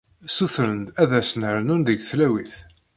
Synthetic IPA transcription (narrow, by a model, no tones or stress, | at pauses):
suθɾənd̪æðæsnəɾnunðəɡθlæwiθ